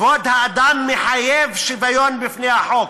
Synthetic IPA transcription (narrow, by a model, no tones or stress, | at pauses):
vod̪haːd̪amːeħajevʃivajonbifnehaħok